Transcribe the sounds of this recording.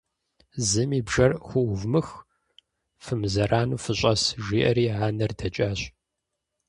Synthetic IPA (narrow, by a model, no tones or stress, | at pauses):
zɨmiːbʒɐrxʷʊvmɨx | fɨmzɐɾʔaːnuːfɨɕʼɐsʒʷiːʔɐɾiːʕaːnɐrdɐt͡ʃʼaːɕ